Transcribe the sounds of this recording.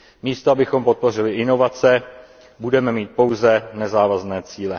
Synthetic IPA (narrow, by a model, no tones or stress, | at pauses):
miːst̪oabɪxo̞mpo̞t̪̚po̞r̝ɪlɪʔɪno̞vat͡sɛ | budɛmɛmiːt̪̚po̞wzɛnɛzaːvaznɛːt͡siːlɛ